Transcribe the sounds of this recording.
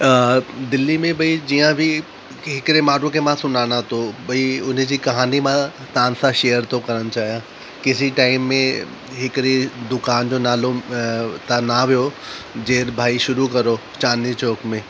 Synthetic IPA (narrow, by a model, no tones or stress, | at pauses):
d̪ɪlːimẽbɐid͡ʑiːjãbʱɪ | ɦɪkɪɾemaːɽukʰemãsʊnaːɽ̃at̪ʰobɐiʊn̆d͡ʑiːkɐɦaːnimã | t̪ãːnsãʃejəɾt̪ʰokɐɾəɽ̃t͡ɕaːɦijã | kɪs̬iʈaːɪmːẽ | ɦɪkɾed̪ʊkaːnd͡ʑoːnaːlot̪anaʋijo | d͡ʑeːɾbʱaːiʃʊɾukɐɾo | t͡ɕaːnit͡ɕoːkmẽː